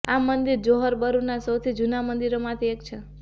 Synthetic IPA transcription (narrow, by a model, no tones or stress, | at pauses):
amənd̪iɾd͡ʒoɦəɾbəɾuɾnasəwt̪ʰid͡ʒunamənd̪iɾomat̪ʰeek̚t͡ʃʰe